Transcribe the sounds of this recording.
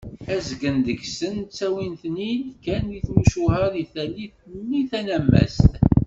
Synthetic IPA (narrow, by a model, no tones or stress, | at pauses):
æzɡənd̪əçsənt͡sːæwinθninkæniθmuʃuhəɾiθælːiθnːiθænæmːæ̰st̪